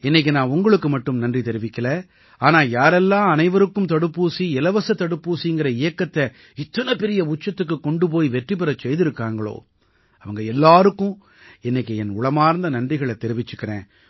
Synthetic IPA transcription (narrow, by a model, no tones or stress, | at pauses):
ɛnːɛk̬ːɯnãːʊŋɡɐɭɯkːɯmɐʈːɯmnɐndrit̪ɛɾɪʋɪkːɐlɐ | aːnaːjaːɾɛlːãːɐnɐɪʋɐɾɯkːɯmt̪ɐɽɯpːuːsiɪlɐʋɐsɐt̪ːɐɽɯpːuːsiŋɡɪɾɐɪjɐkːɐt̪ːɐ | ɪt̪ːɐnɐpɛɾɪjɐʊt͡ʃːɐt̪ːɯk̬ːɯkːɔɳɖɯp̬oːjiʋɛʈrip̬ːɐɾɐt͡ʃːɛjðɪɾɯkːaːŋɡɐɭo̰ː | ɐʋɐŋɡɐɛlːaːɾɯkːʊ̃ | ɛnːɐk̬ːɯɛnʊɭɐmaːɾnd̪ɐnɐndrɪɣɐɭɛt̪ːɛɾɪʋɪt͡ʃːɯkːɪɾḛ̃ː